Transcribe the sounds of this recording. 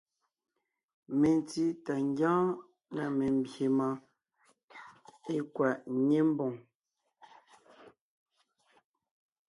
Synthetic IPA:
me˨nti˦ta˨ŋ˦ɡjãː˦ | na˨me˨m̩˦bje˨ma˨ | e˦kwa˨ʔɲe˦m̩˦bɔ˨ŋ

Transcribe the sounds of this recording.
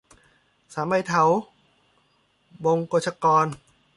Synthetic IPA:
saː˩˦ma˧˩jt̪ʰa˨˩˦w | bo˧ŋkoː˧˩t͡ɕʰa˧kɔː˧n

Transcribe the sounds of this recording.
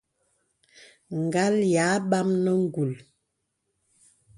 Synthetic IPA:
ŋ˨ɡa˦lja˨˦ɓa˦mnə˦ŋ˦ɡu˨l

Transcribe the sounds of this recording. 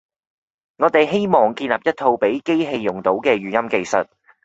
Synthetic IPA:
ŋɔː˨˧t̪e˨jɦe˥jmɔː˨˩ŋkiː˧nlɐː˨p̚jɐ˥t̚t̪ʰo˧wpe˨˥jke˥jɦe˧jːʊ˨˩ŋt̪o˨˥wkɛː˧ɥyː˨jɐ˥mke˧jsɐ˨t̚

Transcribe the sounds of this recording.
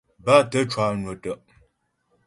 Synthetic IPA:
ba˦tə˦t͡ʃwa˦˨nwə˨tə˨ʔ

